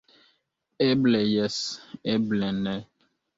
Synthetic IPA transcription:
eblɛjɛseblɛnɛ

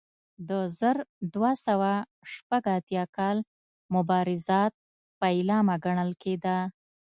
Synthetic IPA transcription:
d̪əzəɾd̪wasawa | ʃpaɡat̪jɑkɑl | mʊbɑɾɪzɑt̪̚ | pəɪlɑmaɡaɳəlked̪a

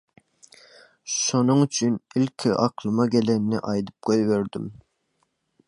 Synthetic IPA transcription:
ʃunɨŋyt͡ʃʰynilkʲʰiʔɑqʰlˠɨmɑɡʲɛlɛnːɪ̰ʔɑjd̪ɨp̚qʰojveɾd̪ym

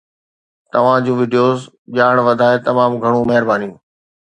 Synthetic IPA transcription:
t̪ɐʋ̤ãd͡ʑũːʋiːɖijoːz | ʄaːɽ̃ʋɐd̪ʱaːet̪ɐmaːmɡʱɐɽ̃ũmɐɦɪɾbaːnijũː

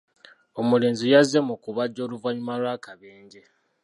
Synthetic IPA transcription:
o̞muleːnzijazemukuβaɟːo̞ːluvaɲumalwaːkaβeːɲɟe

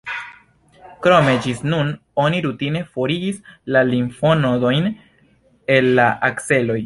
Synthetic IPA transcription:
kɾo̞me̞d͡ʒisnuno̞niɾutine̞fo̞ɾiɡislalinfonodo̞jn | e̞lːaʔakse̞lo̞j

